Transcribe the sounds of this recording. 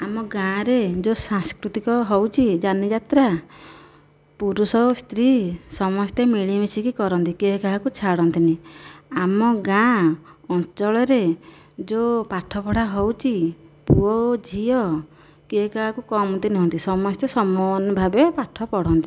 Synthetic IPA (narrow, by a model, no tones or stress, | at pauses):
amɔɡãɾed͡ʒosãŋskɾut̪ikɔɦowt͡ʃʰid͡ʒanid͡ʒat̪ɾa | puɾusɔst̪ɾisɔmɔst̪emiɭimisikikɔɾɔnt̪ikeɦkaɦakut͡ʃʰaɽɔnt̪iniamɔɡã | ɔnt͡ʃɔɭɔɾe | d͡ʒopaʈʰɔpɔɽaɦowt͡ʃʰipuɔd͡ʒʱiɔ | keɦkaɦakukɔmɔnt̪inuɦɔnt̪isɔmɔst̪esɔmɔnbʱabepaʈʰɔpɔɽ̤ɔnt̪i